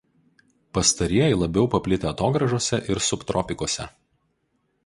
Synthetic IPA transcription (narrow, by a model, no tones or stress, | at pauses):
pɐst̪ɐɾʲiɛjɛɪlˠɐbʲɛʊpɐpʲlʲɪt̪ʲeɐt̪oːɡɾɐʒoɔsʲɛʔɪɾsʊpt̪ɾɔpʲɪkoɔsʲɛ̰